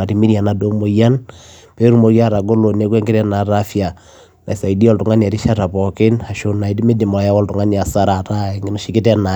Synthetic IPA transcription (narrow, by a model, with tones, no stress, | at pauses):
a˨ti˦mi˦ɾia˨na˨do˦mo˨ja˦n | pe˦ɾu˦mo˨ɾja˦ɾa˨ɡo˦lo˨ne˦kwɛ˦ŋɡe˦ɾɛ˦na˨ɾa˦fja˨ | na̰˨i˨sa˨i˨di˦ɔ˦ltu˨ŋa˦ni˨a˨ti˦ʃa˦ɾa˨pɔ˨ke˦na˨ʃo˨na˨i˨di˦me˦di˨mo˨la˨ja˦wɔ˦ltu˨ŋa˦ni˨a˨sa˦ɾa˨ɾa˦e˨ŋɡe˦no˦ʃi˨ki˦tɛ˦na˨